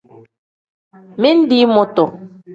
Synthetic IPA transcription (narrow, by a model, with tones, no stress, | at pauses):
mi˦n̩˦di˦mɔ˨tɔ˨